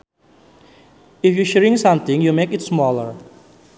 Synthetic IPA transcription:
ɪfjuʃɛɹɪ̃ŋsʌ̃mt̪ɪ̃ŋjumekɪtsmɔləɹ

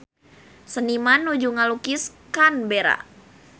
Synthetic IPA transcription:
sənimanːud͡ʒuŋalukiskanbeɾa̰

